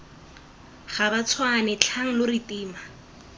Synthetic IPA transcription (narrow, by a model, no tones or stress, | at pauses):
χabat͡sʰwanɛt͡ɬʰaŋ̩lʊritiːma